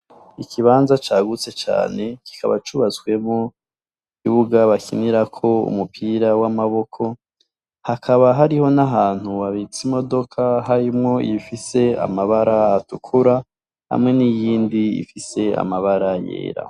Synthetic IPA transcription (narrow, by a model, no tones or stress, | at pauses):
ikʰiβaːnzat͡ʃaːɡut͡se̞t͡ʃa̰ːne̞ki̥kʰaβat͡ʃuβat͡swe̞mo | ikiβuɡaβakʰiniɾakʰo̞ṵmupʰiɾawamaβo̞kʰo̞ | hakʰaβaɦaɾiho̞naɦaːn̥huβaβit͡simo̞do̞kʰaɦaɾimŋo̞ḭifise̞a̰maβaɾaːtukʰuɾa | ha̰mŋe̞nijiːndiḭfise̞a̰maβaɾajḛːɾa̰